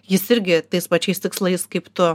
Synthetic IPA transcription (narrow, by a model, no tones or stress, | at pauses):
jɪsɪɾʲɡʲɪt̪ɐɪspɐt͡ʃʲɛɪst̪ʲɪkslˠɐɪskɐɪpt̪ʊ